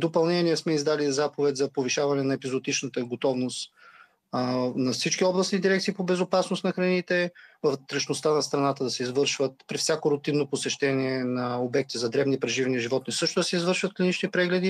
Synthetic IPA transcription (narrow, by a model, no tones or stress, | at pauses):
d̪opɐlˠnɛniɛsmɛizd̪alizapovɛt̪ʲzɐpoviʃavɐnɛnɐɛpizot̪it͡ʃnət̪əɡot̪ɔvnost̪ | nɐfsit͡ʃkʲiɔblˠɐsnid̪iɾɛkt̪siːpobɛzopasnosnɐxɾɐnit̪ɛvɐvt̪ɾɐʃnost̪anɐst̪ɾɐnat̪əd̪ɐsɛizvɤɾʃvət̪̚pɾifsʲjakoɾʊt̪inːoposɛʃt̪ɛniɛnɐobɛk̚t̪izɐd̪ɾɛvnipɾɛʒivniʒivɔt̪nisɤʃt̪ʊd̪ɐsɛizvɤɾʃvət̪klʲinit͡ʃnipɾɛɡlɛd̪i